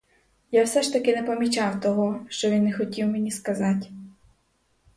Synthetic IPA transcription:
jawsɛʃt̪ɐkɪnɛpɐmʲit͡ʃawt̪ɔɦɔʃt͡ʃɔʋʲinːɛxɔtʲiwmʲenʲiskɐzatʲ

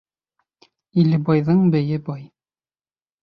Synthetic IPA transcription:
ilɘ̆bɑjðɤɴbɘ̆jɘbɒj

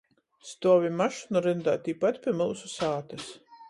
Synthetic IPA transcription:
st̪uɔvʲimaʃunuɾɨnd̪a̰ːt̪ʲiːpat̪pʲiɛmɨlˠsusaːt̪ɨs

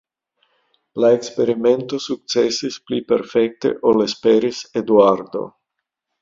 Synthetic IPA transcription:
laekspeɾiment̪osuk̚t͡sesisplipeɾfek̚t̪ḛʔolespeɾised̪uaɾd̪o̰

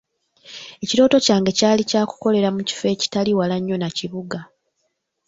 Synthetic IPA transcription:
e̞ciɾo̞ːto̞caːŋɡe̞caːlicaːku̥ko̞le̞ɾamuci̥fe̞ːci̥taliwalaɲːo̞naciβuɡa

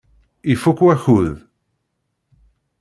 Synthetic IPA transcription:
ifʊkwaxuð

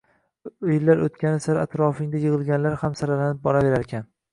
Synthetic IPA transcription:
jɪlːaɾot̪̚kʲanɪsaɾat̪ɾɒfɪŋd̪ajɨʁɨlˠɡʲanlaɾhamsaɾalanɪp̚bɒɾave̞ɾaɾkʲʰan

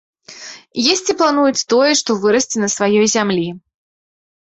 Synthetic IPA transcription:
jɛsʲt͡sʲiplˠanujut͡sʲt̪ɔjɛʂt̪ɔvɨɾɐsʲt͡sʲinɐsvajɔjzʲamlʲi

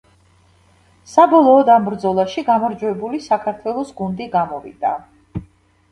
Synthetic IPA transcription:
sabɔlˠɔːd̪ambɾd̪zɔlˠaʃiɡamɔɾd͡ʒwɛbulisakʰaɾt̪ʰwɛlˠɔsɡund̪iɡamɔvḭd̪̥a

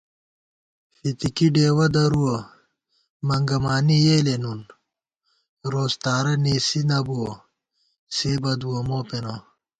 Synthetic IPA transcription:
fit̪ikiɖeːwɐd̪ɐɾuwɐ | mɐŋɡɐmaːnijelenun | ɾoːst̪aːɾɐneːsinɐbuɐ | seːbɐd̪uwɐmoːpenɐ

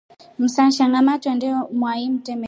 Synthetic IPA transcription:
m̩sanʃaŋɡamatwɛndɛɔmwaim̩tɛmɛ

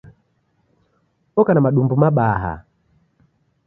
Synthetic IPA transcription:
ɔkanamaɗumbumaɓaɦa̰

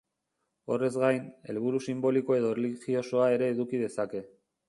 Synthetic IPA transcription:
o̞re̞zɡajne̞̰lβ̞uɾusimbo̞liko̞e̞ðo̞rliɣio̞so̞ae̞ɾe̞ːðukið̞e̞sake̞

